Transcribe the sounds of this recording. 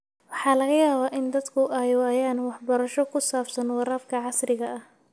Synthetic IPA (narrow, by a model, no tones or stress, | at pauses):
wɑħɑːlɐɣɐjaːβaːʔɪnd̪ɐd̪kʰʊʔɐjwɑːjaːnwɑħbɐɾɐʃɔkʰʊsaːfsɐnwɑɾaːfkʰɐʕɑsrɪɣɐʔɐh